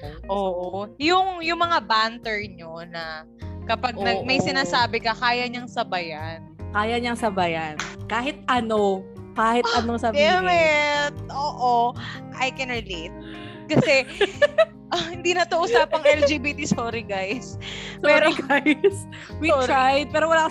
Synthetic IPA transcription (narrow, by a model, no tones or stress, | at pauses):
ʔoːʔojʊŋjʊŋmɐŋabant̪ɛɹɲonɐ | kɐpɐɡnɐɡ̚mɐjsɪnaːsaːbɪkɐkaːjɐɲɐŋsɐbɐjɐnkaːjɐɲɐŋsɐbɐjankaːɦɪt̪̚ɐno | kaːhɪt̪̚ɐnosɐbmɛt̪̚ʔoːʔoʔɐjkɛnɹɛlejt̪̚ | kɐsɛ | hɪnd̪iːnɐt̪oʔʊsaːpɐŋɛld͡ʒiːbit̪isoːɾɪɡajspɛːɾoɡajs | wiɹajd̪̚pɛːɾowɐlaːkɐ